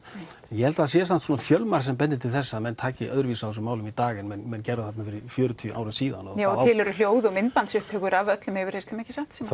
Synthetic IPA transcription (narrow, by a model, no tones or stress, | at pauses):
jɛhɛlt̪aðsjɛs̬ant̪suːnafjœlmaɾ̥sɛmp̬ɛnt̪ɪt̪ʰɪlθɛsːaːmɛnːt̪ʰaːcɪʔœðɾʏviːsaɛs̬ʏmːaːwlʏmit̪aːɣɪnmɛnmɛnːcɛɾðʏθat̪nafɪɾɪfjœːɾʏt̪ʰiʔa̰wɾʏsiːða̰nɔðaːwt̪ɪːlɛɾʏl̥joːwðʏɔmɪnpansʏhp̚t̪ʰœːkʏɾavœt̪lʏmhɛvɪɾ̥hejɾst̪ɛmɛhcːɪsaht̪s